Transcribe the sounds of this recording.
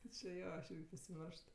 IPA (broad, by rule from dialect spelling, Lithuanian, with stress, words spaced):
tʲɪ t͡ʃʲɪ ˈjoː ɐʃ ˈɪrʲɡʲɪ pɐsʲɪˈmʲɛrʃt